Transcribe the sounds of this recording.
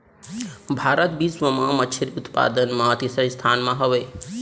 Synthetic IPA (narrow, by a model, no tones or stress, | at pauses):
bʱaːɾət̪bisməmãmət͡ʃʰiɾiut̪pa̰d̪ənmãt̪isəst̪ʰanmãɦəʋe